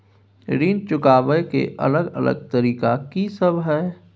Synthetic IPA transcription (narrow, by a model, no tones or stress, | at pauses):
ɾiːnt͡ʃʊkaːbəjkḛʔɐ̰ləɡə̰lə̰ɡ̚t̪əɾiːkakisəbɦɛː